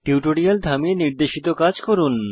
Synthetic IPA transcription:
ʈiwʈoɽiald̪ʱamieniɾd̪eʃit̪okad͡ʑkoɾun

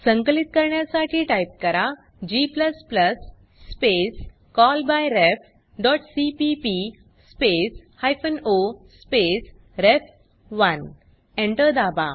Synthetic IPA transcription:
səŋkəlit̪̚kəɾɳjasaʈʰiːʈajp̚kəɾa | d͡ʑipləspləsː | pes | kɔlbajɾef | ɖɔʈsipipi | spes | hajfənospes | ɾef | ʋən | ẽɳʈəɾd̪aba̰

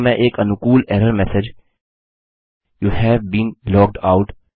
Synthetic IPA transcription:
mɛ̃ʔeːkɐnukuːlɛːɾəɾmɛsɪd͡ʒ | juːhɛːʋbĩːnlɔːk̚ɖaʊʈ

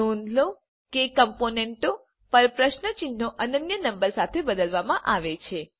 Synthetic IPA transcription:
und̪lo | kekəmponeɳʈo | pəɾpɾəʃnət͡ʃinːoʔənənjənəmbəɾsat̪ʰebəd̪əlʋamãʔaʋet͡ʃʰe

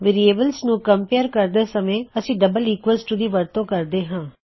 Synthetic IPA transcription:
ʋɪɾieːbəlsnũːkəmpeːɾkəɾd̪eːsəmẽːəsĩːɖəbəliːkʋesʈd̪iːʋəɾt̪õːkəɾd̪eːɦãː

